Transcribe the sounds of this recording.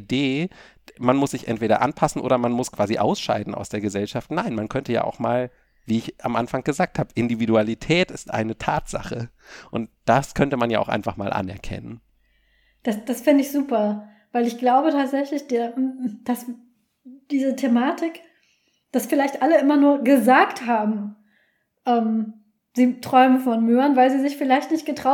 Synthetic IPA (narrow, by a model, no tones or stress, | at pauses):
deː | manmʊsz̥ɪçʔɛ̰ntv̥eːɾɐ̰ʔa̰npʰasn̩ʔo̰ːdɐmanmʊskʰv̥aːziʔa̰ʊsʃa̰ɪdn̩ʔa̰ʊsd̥eːɐɡəzɛlʃaftnaɪnmankʰœntəja̰ːʔa̰ʊxmaːl | viːɪçʔamʔanfaŋɡ̥əzaːk̚thaːbəʔɪndividualitʰɛːtɪstʔa̰ɪnətʰaːtz̥a̰χəʔʊnt̚d̥askʰœntəmanjaːʔaʊxʔaɪnfaχmaːlʔa̰nɛ̰ɐkʰɛ̰nən | d̥asd̥asfɪndəɪçz̥uːpɐ | vaɪlɪçɡ̥laʊbətʰaːtz̥ɛçlɪçd̥eːd̥as | d̥iːzətʰemaːtɪk | d̥asfɪlaɪçtʔaləʔɪmɐnuːɐɡəzaːkthaːbm̩ | ʔɛːm | z̥iːtʁ̥ɔʏməfɔnmøːɐnvaɪlziːzɪçfɪlaɪçtnɪçt̚ɡ̥ətʁ̥aʊ